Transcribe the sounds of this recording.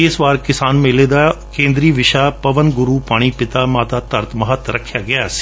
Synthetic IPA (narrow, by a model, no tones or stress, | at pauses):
ɪsʋaːɾkɪsaːnmeːleːd̪aːkẽːnd̪ɾiːʋɪʃaːpəʋənɡʊɾuːpaːɽ̃iːpɪt̪aːmaːt̪aːt̪əɾt̪məɦət̪ɾəkʰjaːɡɪaːsi̥ː